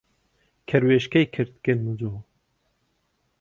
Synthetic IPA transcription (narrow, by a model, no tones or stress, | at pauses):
kʰɛɾweːʃkɛjkʰɨɾt̪kɨnmud͡ʒoː